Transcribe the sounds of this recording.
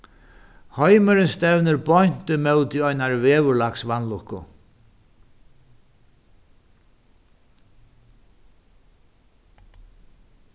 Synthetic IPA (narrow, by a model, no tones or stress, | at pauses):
hɔjməɾɪnst̪ɛwnɪɾbɔɲn̥t̪ɪmɛwt̪iɔjnaɹvɛːvʊɾlaksvanlʊhkːʊ̰